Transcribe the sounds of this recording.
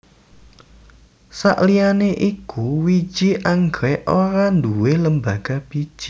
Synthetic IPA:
sa̰ʔlijaneʔikuwi̥d͡ʒ̥iʔaŋɡɾɛʔoɾand̪uweləmbaɡ̥ab̥i̥ʒ̥i̥

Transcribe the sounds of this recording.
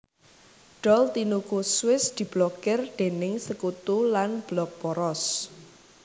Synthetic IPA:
ɖ̥ɔlt̪inukuswɪsd̪̥i̤b̥lɔkɪrɖ̪̥enɪŋsəkut̪ulanb̥lɔk̚b̥ɔɾɔs

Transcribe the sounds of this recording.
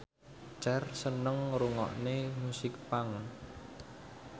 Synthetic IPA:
d͡ʒarsənəŋɾuŋɔ̰ʔnemusɪk̚paŋ

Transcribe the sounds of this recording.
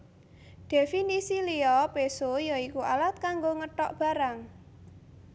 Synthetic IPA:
d̪̥ɛ̤finisiliɔpesojɔikuʔalat̪̚kaŋɡoŋəʈɔʔb̥a̤ɾaŋ

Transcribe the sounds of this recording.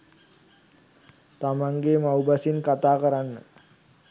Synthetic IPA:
t̪amaŋɡemawbasinkat̪aːkəɾanːə̰

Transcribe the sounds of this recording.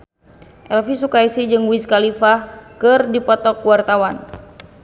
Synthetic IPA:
ʔɛlfisukajsid͡ʒɨŋwiskalifakɨrdipɔt̪ɔkwart̪awan

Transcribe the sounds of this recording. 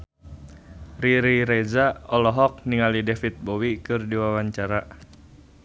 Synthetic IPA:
riɾiɾɛzaɔlɔɦɔk̚niŋalidɛfit̪̚bowikɨrdiwawaɲt͡ʃaɾa

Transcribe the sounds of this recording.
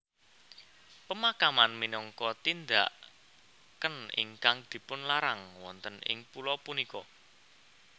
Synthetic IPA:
pəmakamanminɔŋkɔt̪ind̪a̰ʔ | kənɪ̰ŋkaŋd̪̥i̤pʊnlaɾaŋwɔnt̪ənɪ̰ŋpulɔpunikɔ

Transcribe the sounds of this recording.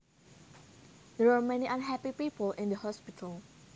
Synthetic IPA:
dɛɹamɛ̃niʔãnɦɛpipiːpəlʔɪ̃ndəhɔspitʰəl

